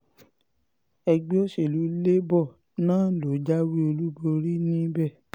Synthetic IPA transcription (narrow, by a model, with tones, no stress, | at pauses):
ɛ˧ɡ͡be˦o˦ʃe˦˨lu˨˦le˦bɔ˦˨ | nãː˦lo˨˦d͡ʒa˦wi˦o˧lu˦bo˧ɾi˦nĩ˦bɛ˦˨